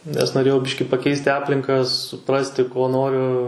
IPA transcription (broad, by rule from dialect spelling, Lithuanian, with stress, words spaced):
nʲɛs noːˈrʲeːjɛʊ ˈbʲɪʃʲkʲɪ pɐˈkʲɛɪsʲtʲɪ ˈɑːpʲlʲɪŋkɐ sʊˈprɑːsʲtʲɪ koː ˈnoːrʲʊ